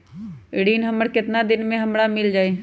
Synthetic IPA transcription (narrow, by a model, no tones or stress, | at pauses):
ɪɽiːnɦəməɽkɪt̪nad̪ɪnmẽɦɐmɾamɪld͡ʒaːe